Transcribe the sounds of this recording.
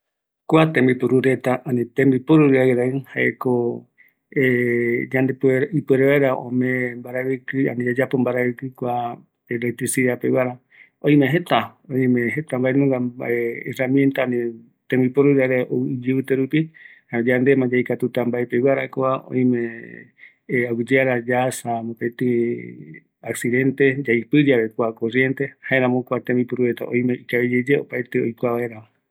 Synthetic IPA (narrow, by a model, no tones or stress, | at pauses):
koat̪ẽmbipuɾuɾet̪aʔanĩt̪ẽmbipoɾuɾɨajɾaihaḛko | d͡ʒand̪epeipueɾeβaeɾaõ̰mẽmbaɾaβikɨa̰nĩod͡ʒapombaɾaβikɨkʷa | elek̚t̪ɾisiðapewaɾa | õĩmeɦet̪aõĩmẽɦet̪ambaenũŋɡaeeramjent̪anĩ | t̪ẽmbipoɾuɾaɾeʔod͡ʒɨɨt̪eɾupi | ad͡ʒand̪emãd͡ʒaikat̪ut̪ambaepewaɾakoaʔõ̰ĩmẽ | awid͡ʒeaɾad͡ʒasamopet̪ɨ | aksiðẽ̞nt̪ed͡ʒaipɨd͡ʒaɾekʷakorjent̪e̞haeɾãmõkʷat̪ẽmbipuɾuɾet̪a̰ʔõ̰j̃meikaβid͡ʒed͡ʒeo̰paet̪eojkʷaβaeɾama